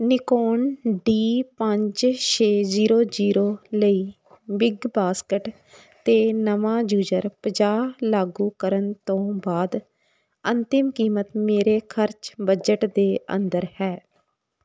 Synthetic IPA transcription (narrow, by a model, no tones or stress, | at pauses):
nɪkoːɳɖiːpəɲd͡ʒʃʰeːziːɾoːd͡ʒiːɾoːləiː | bɪɡbaːskəʈ | t̪eːnəʋãːd͡ʒuːd͡ʒəɾpəd͡ʒaːlaːɡuːkəɾənt̪õːbaːd̪ | ənt̪ɪmkiːmət̪meːɾeːkʰəɾt͡ʃbəd͡ʒəʈd̪eːə̰nd̪əɾhɛː